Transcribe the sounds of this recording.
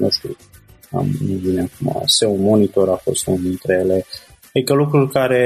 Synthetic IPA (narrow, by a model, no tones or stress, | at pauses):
ost̪ḭ | a̰mnuvinemfumoa̰seunmo̞nit̪o̞ɾafo̞̰st̪unint̪ɾejele | ad̪ikəlukɾulkaɾe̞